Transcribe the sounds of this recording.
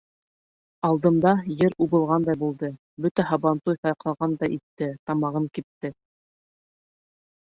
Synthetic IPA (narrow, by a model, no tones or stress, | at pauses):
ɑlˠd̪ɤ̆nd̪ɑjɘɾuβɤ̆lˠʁɑnd̪ɑjbulˠd̪ɤ | bɵt̪æɦɑβɑnt̪ujθɑjqɑlˠʁɑnd̪ɑjʔit̪ːɘt̪ɑmɑʁɤŋkip̚t̪ːɘ